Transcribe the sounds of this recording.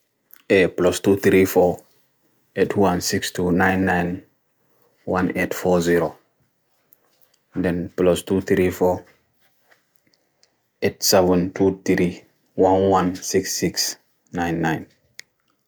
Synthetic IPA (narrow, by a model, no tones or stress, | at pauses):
ʔeplɔstut̪ɾifɔ | etʰwãnsikstunãjnːãjn | wãnetfɔziɾo | dɛ̃nplɔstuθɾifɔ | etsɛvə̃ntʰut̪ɾi | wãnwãnsiksːiks | nãjnːãjn